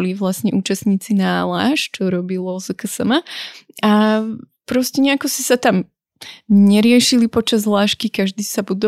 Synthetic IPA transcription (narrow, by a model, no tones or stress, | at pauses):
liʋlasɲɛʔuːt͡ʃast̪ɲiːt͡sinaːla̰ːʃt͡ʃɔɾɔbilɔzkəsəmaapɾɔscɛɲɛakɔsisat̪am | ɲɛɾɪɛʃilipɔt͡ʃazlaːʃkikaʒd̪iːsabud̪ɔ